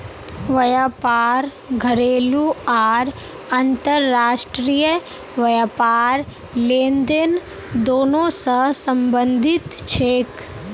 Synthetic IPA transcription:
ʋɐjaːpaːɾ | ɡʱɐɾeːluaːɾ | ɐnt̪əɾːaːʃʈɾijə | ʋɐjaːpaːɾ | lẽːnd̪en | d̪oːnõsəsə̃mbə̃nd̪ʱɪt̪t͡ʃʰeːk

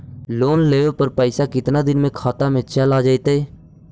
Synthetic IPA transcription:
loːnleːoːpəɾpəɪsaːkɪt̪naːd̪ɪnmẽːkʰaːt̪aːmẽːt͡ʃəlaːd͡ʒaːit̪eː

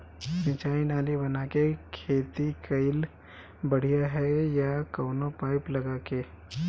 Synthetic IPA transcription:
sɪ̃t͡ʃaːinaːlibɐnaːkekʰeːt̪ikɐɪl | bɐɽ̤ijaɦɛjakɐːnopaːɪplɐɡaːkeː

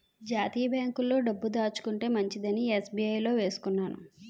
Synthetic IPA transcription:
d͡ʒaːt̪iːjɐbaːŋkulːo̞ːɖɐbːud̪aːt͡ʃu̥kuɳʈe̞ːmɐɲt͡ʃid̪ɐniesbiɐjlo̞ːʋe̞ːsu̥kunːaːnṵ

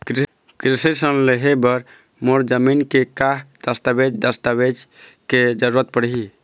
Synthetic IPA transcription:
kɾ | kɾisisənleɦebəɾ | moɾd͡ʒəminkekaɦd̪̥əst̪abed͡ʒd̪əst̪abed͡ʒ | ked͡ʒəɾuɾət̪̚pəɽɦi

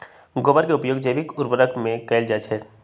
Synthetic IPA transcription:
ɡobəɾkeʊpjoːɡd͡ʒəjbɪkʊɾbəɾəkmẽkɛːld͡ʒat͡ʃɦɛː

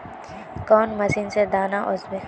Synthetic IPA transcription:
kɔːnmɐsiːnsed̪aːnaʔʊzbe

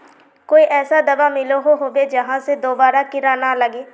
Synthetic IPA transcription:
koːiːʔɛːsaːd̪əʋaːmɪloɦoːɦoːʋeːd͡ʒəɦãːsed̪oːbaːɾaːkɪɾaːnaːləɡeː

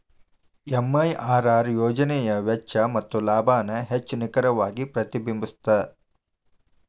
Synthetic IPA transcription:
emːɐjʔaːɾaːɾjoːd͡ʒɐnɛjɐʋɛt͡ʃːɐmɐt̪ːulaːbʱaːnɐɦet͡ʃːunikɐɾɐʋaːɡipɾɐt̪ibimbist̪ɐ

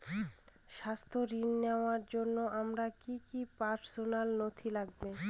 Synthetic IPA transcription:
ʃast̪ʰoɾinːeoaɾd͡ʑonːoʔamɾakikipaɾsonalnot̪ʰilaɡ̚be

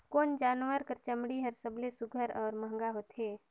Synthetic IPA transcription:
koːnd͡ʒaːnʋəɾkəɾt͡ʃəmɽiɦɐɾsəblesʊɡʱəɾɔːɾmə̃ɦŋɡaɦoːt̪ɦeː

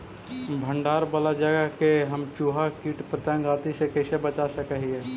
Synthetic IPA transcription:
bʱəɳɖaːɾbəlad͡ʒəɡəkeɦəmt͡ʃuːɦakiːʈpət̪ɛ̃ɡaːt̪isekəɪsebət͡ʃasəkəɦiɛː

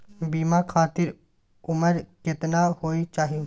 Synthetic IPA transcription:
biːmakʰaːt̪ɪɾ | ʊməɾkɪt̪nahoːit͡ʃaːɦiju

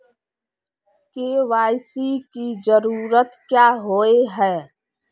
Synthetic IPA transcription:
keːʋaːɪsikid͡ʒəɾuːɾət̪kjaːɦoːeɦɛː

